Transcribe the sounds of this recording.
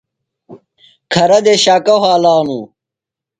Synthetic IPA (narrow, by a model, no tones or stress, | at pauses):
kʰɐɾɐd̪eɕaːkɐɦaːlaːnũː